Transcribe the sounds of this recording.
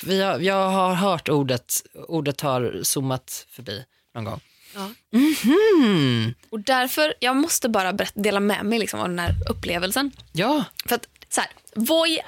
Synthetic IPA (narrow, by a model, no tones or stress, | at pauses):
vɪhajɑːɡɦaɾɦœːʈuːɖət̪uːɖət̪haɾsumːat̪fœɾbḭː | nɔnɡɔ̰ŋː | ɑːm̩h̩ | ɔd̪æɾfœɾjɑːɡmɔst̪əbɑːɾabɛɾɛt̪ːd̪eːlamɛ̰ːmɛjlɪksɔ̰mɔ̰md̪ɛnæːɾɵpːleːvəlsənjɑːfœɾat̪sɔhæ̰ːɾ | vɔj